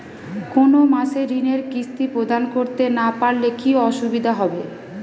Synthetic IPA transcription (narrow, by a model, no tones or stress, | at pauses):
konomaʃeɾineɾkist̪ipɾod̪ankoɾt̪enapaɾlekiɔʃubid̪ʱaɦɔbe